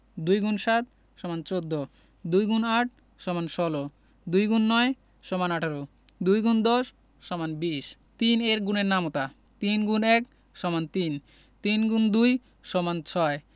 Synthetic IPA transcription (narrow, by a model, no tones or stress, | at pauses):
d̪ujɡunʃat̪̚ | ʃɔmant͡ɕod̪ːo | d̪ujɡunaʈ̚ʰ | ʃɔmanʃɔlo | d̪ujɡunːɔe | ʃɔmanaʈʰaɾo | d̪ujɡund̪ɔʃː | ɔmanbiʃ | t̪ineɾɡuneɾnamot̪a | t̪inɡunɛk | ʃɔmant̪in | t̪inɡund̪uj | ʃɔmant͡ɕʰɔe